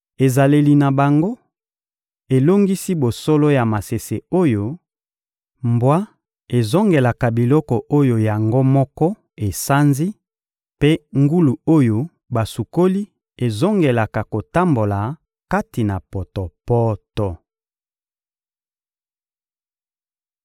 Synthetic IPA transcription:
e˨za˨le˨li˨na˨ba˨ŋɡo˦ | e˨lo˦ŋɡi˦si˦bo˨so˦lo˦ja˨ma˨se˨se˨o˦jo˨ | mbwa˦ | e˨zo˦ŋɡe˨la˨ka˨bi˨lɔ˦kɔ˨ʔo˦jo˨ja˨ŋɡo˦mɔ˦kɔ˦ | e˨sa˦nzi˦ | pe˦ŋɡu˦lu˨o˦jo˨ | ba˨su˨ko˦li˦ | e˨zo˦ŋɡe˨la˨ka˨ko˨ta˦mbo˨la˨ | ka˦ti˨na˨pɔ˨tɔ˨pɔ˦tɔ˦

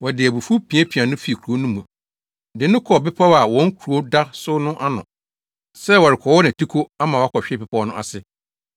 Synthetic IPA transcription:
wɔ˨dɪ˨æ˨bu˨fu˦pʰĩ˨ɛ˦pʰi˨ã˨nʊ̃˦fi˦˨kʰu˨u˨o˦nʊ̃˦mũ˨ | dɪ̃˨˦nʊ̃˦kʰɔ˨bɪ˦pʰa˦wa˨wɔ̃˦ŋ˦kʰu˨u˨o˦da˦sʊ˦nʊ̃˦ʔa˦nʊ̃˨ | sɛ˦wɔ˨ɾɪ˨kʰɔ˨wɔ˦nã˨tʰi˦kʰo˦a˦mã˨wa˦kʰɔ˨ɕᶣɪ˦pɪ˨pʰɔ˦nʊ̃˦ʔa̰˨sɪ˦

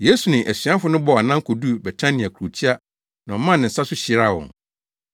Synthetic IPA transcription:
je˦su˨nɪ̃˨ʔæ˨sɥa˦fʊ˨˦nʊ̃˦bɔ˦a˨nã˦ŋkʰo˨du˦bɛ˨tʰã˦nɪ̃˨a˨kʰu˨ɾu˨tʰi˦a˦ | nã˨ɔ˨mã˦nɪ̃˨sa˦sʊ˦ɕi˨ɾa˦˨wɔ̰̃˨n

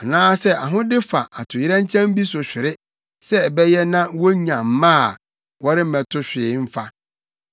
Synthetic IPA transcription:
a˨nãː˦sɛ˦a˨ɦʊ̃˦dɪ˦fa˨ʔa˨tʰʊ˨jɪ˦ɾɛ̃˦ɲ˦t͡ɕʰɛ̃˦m˦bi˦sʊ˨ɕᶣɪ˨ɾɪ˦ | sɛ˦˨bɛ˦jɛ˦nã˦wɔ˦ɲã˨m̩˨˦mã˦a˨ | wɔ˦ɾɪ˦m̩˦mɛ̃˨tʰʊ˦ɕᶣɪː˨˦m̩˦fa˦

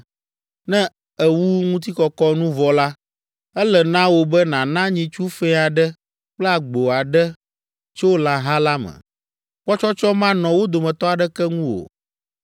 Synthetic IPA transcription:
nɛ̃˦ | ɛ˨wu˦ŋũ˦t̪̬i˦kɔ˨kɔ˦nũ˦vɔ˨la˦ | ɛ˦lɛ˨nã˦wo˨bɛ˦nã˨nã˦ɲĩ˨t͡ʃu˦fɛ̃˦a˨ɖɛ˦ | k͡plɛ˦a˨ɡ͡bo˨a˨ɖɛ˦ | t͡ʃo˦wo˦lã˨ɦa˦la˦mɛ̰̃˨ | k͡pɔ˦t͡ʃɔ˦t͡ʃɔ˦mã˦nɔ̃˨wo˦d̪o˨mɛ̃˨t̪ɔ˦a˨ɖɛ˦kɛ˦ŋũ˦wo̰˨

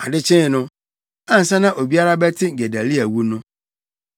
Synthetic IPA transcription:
a˨dɪ˦t͡ɕʰɪ̃˦˨nʊ̃˦ | ã˦n̩˨sɛ̃˦nã˦ʔo˨bi˦a˦ɾa˦bɛ˦tʰɪ̃˦ɡe˨dæ˨li˦æ˨wu˦nʊ̃˦

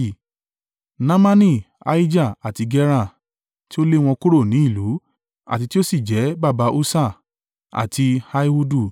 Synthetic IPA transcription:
nã˦mã˦nĩ˦˨ | a̰˨˦i˦d͡ʒa˦˨a˨ti˨˧ɡɛ˦ɾ̃ã˦˨ | ti˦o˦le˦w̃ɔ̃˧ku˦ɾo˦˨nĩ˨˦i˦˨lu˨˦ | a̰˨ti˧ti˦o˦si˦˨d͡ʒɛ˨˦ba˦˨ba˧˦ʔo˦sa˦˨ | a̰˨tʰi˧ha˧i˦hu˦du˦˨

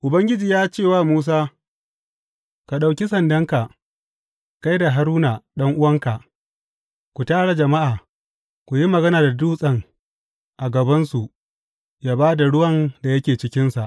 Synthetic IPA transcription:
ʔʊ˨bɐ˦ŋɡʲɪ˦d͡ʒiː˨jaː˦t͡ʃeː˦˨waː˦muː˦s̬aː˦ | ka˨ɗa˨wkʲi˦sɐ˨ndɐ˦ŋka˨ʔ | ka˦jda˨ɦa˨ɾuː˦na˨ɗɐ˦ŋʔʊ˦wɐ˦ŋka˨ | kʷu˨taː˦ɽa˨d͡ʒɐ˨ma˦ʔaː˨ | kʷu˨ji˦mɐ˨ɡɐ˦naː˨da˨duː˦sʼɐ˦˨ŋ | ʔa˨ɡɐ˨bɐ˦nsu˨ʔ | jaː˦baː˦da˨ɽʊ˦wɐ˦nda˨jɐ˦kʲeː˨t͡ʃɪ˦kʲɪ˦nsa˨ʔ

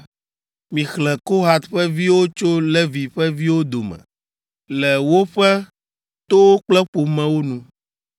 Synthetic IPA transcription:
mĩ˨xlɛ˨ko˦ɦa˨t̪ɸɛ˦vi˦wo˦t͡ʃo˦lɛ˦vi˨ɸɛ˦vi˦wo˦d̪o˨mɛ̰̃˨ | lɛ˨wo˦ɸɛ˦ | t̪o˦wo˦k͡plɛ˦ɸo˨mɛ̃˨wo˦nũ˦

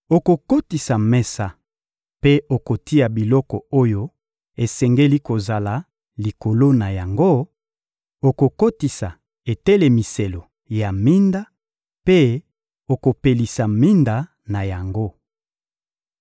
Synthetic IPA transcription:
o˨ko˨ko˦ti˨sa˨mɛ˦sa˨ | pe˦o˨ko˨ti˦a˨bi˨lɔ˦kɔ˨o˦jo˦ | e˨sɛ˨ŋɡe˦li˦ko˨za˨la˨ | li˨ko˨lo˦na˨ja˨ŋɡo˦ | o˨ko˨ko˦ti˨sa˨ | e˨tɛ˦le˨mi˨se˨lo˨ | ja˨mi˦nda˦ | pe˦ | o˨ko˨pe˨li˨sa˨mi˦nda˨ | na˨ja˨ŋɡo˦

